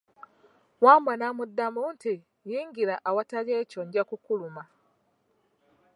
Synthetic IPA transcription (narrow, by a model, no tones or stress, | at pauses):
waːmwanamudːamuːnti | jiːŋɡiɾaʔawataleːcoɲɟakukuluma